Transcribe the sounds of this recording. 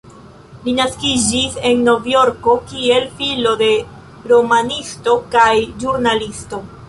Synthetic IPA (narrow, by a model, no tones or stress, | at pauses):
linaskid͡ʒise̞nːo̞vjo̞ɾko̞kie̞lfilo̞de̞ | ɾo̞manisto̞kajʒuɾnalisto̞